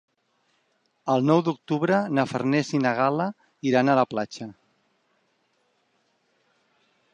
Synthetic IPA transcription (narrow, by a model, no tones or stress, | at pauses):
əlˠnɔwd̪uk̚t̪uβɾənəfərnɛsinaɣala | iɾanaləplat͡ʃə